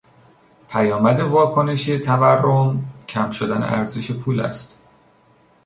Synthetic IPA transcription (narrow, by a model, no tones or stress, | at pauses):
pʰæjɒːmæd̪e̞vɒːkʰo̞ne̞ʃet̪ʰæværːomcʰæmʃod̪ænḛʔæɾzeʃepʰuːlæ̰st̪